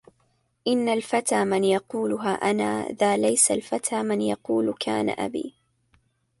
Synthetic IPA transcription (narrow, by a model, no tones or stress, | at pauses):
ʔɪnːalfat̪aːmɪnjɑquːlʊɦaːʔana̰ːðaːlajsalfat̪ʰaːmɪnjɑquːlkʰaːna̰ʔa̰bḭː